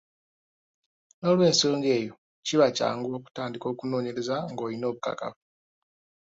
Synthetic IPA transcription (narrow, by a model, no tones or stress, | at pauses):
no̞ːlwe̞ːnso̞ːŋɡe̞ːjo̞ | ciβaca̰ːŋɡo̞ːku̥taːndiko̞ːkuno̞ːɲeɾezaŋɡo̞ːlino̞ːβuka̰ka̰vu